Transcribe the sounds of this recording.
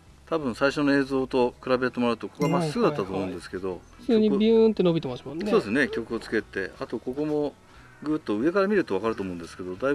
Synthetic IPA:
t̪abɯ̟̃ɰ̃saiɕo̞noe̞ːzo̞ːt̪o̞kɯ̟ɾabe̞t̪ːemoɾaɯ̟t̪o̞kokoamasːɨɡɯ̟d̪at̪ːat̪oːmo̞ɯ̟̃nd̪esɨ̥ke̞d̪o̞ | ɲibʲɯnt̪ːenobʲit̪emɕimasoːd̪esɨne̞kʲo̞kɯ̟ot͡sɨ̥ke̞t̪e̞̰at̪o̞ko̞ko̞mo̞ | ɡɯ̟ːt̪ːo̞ɯ̟e̞kaɾamʲiɾɯ̟t̪o̞βakaɾɯt̪oːmoɯ̃nd̪e̞sɨ̥ke̞d̪o̞d̪ai

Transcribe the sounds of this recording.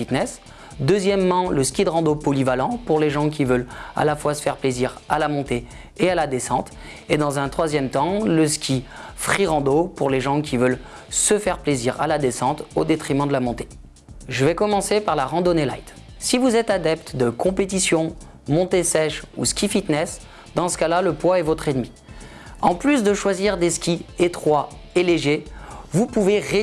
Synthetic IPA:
it̪nɛs | d̪əzjɛmːɑ̃ləskʲid̪ʁɑ̃d̪opɔlivalɑ̃puʁleʒɑ̃k̬ʲivœla̰lafwasə̥fɛʁpleziʁalamɔ̃t̪e | ealad̪esɑ̃t̪ | ed̪ɑ̃zɛ̃t̪χwazjɛmt̪ɑ̃ləskʲifχiʁɑ̃d̪opuʁleʒɑ̃kʲʰivœl | səfɛʁpleziʁa̰lad̪esɑ̃t̪od̪et̪χimɑ̃d̪əlamɔ̃t̪e̥ | ʒəvɛkɔmɑ̃sepaʁlaʁɑ̃d̪onela̰jt̪ | sivuzɛt̪ad̪ɛpt̪d̪əkɔ̃pet̪̬isjɔ̃ | mɔ̃t̪esɛʃṵskʲifit̪nɛs | d̪ɑ̃sə̥kalaləpwaɛvɔt̪χed̪mi | ɑ̃plysd̪əʃwaziʁd̪eskʲiet̪χwa | eleʒevupuveʁe

